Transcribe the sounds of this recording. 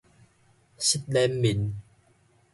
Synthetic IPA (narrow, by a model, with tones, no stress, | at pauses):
si˦˥t̪̚lɛ˦mːi˨˩n